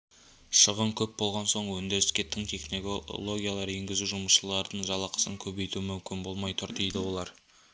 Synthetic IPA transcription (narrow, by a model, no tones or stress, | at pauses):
ʃəʁəɴkʲʰɵp̚bo̞lˠʁɑnso̞ɴwɵnd̪eɾɪskʲe̞t̪ʰɪŋt̪ʰe̞χnolˠo̞ɡʲijalˠɑɾe̞ŋɡʲɪzuʒʊməsʃəlˠɑɾd̪əɴʒɑlˠɑqə̥səŋkʲʰɵbe̞jt̪uɪmʏmkʲɪnbo̞lˠmɑjt̪ʰʊɾt̪ijd̪ɪwo̞lˠɑɾ